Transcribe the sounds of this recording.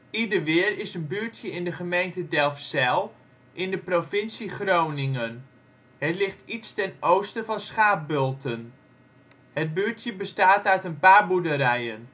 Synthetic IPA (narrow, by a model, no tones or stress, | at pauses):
idəɹʋɪərɪsənbyːɹtʰjəɪndəχəmejntədɛlˠfsɛlˠ | ʔɪndəprofɪnsiχrownɪŋən | hətlɪχtitstɛnowstəvɑnsχaːp̚bølˠtʰən | hət̚byəɹtjəbəstaːtœɥtənpaːɹbudəɾɛjən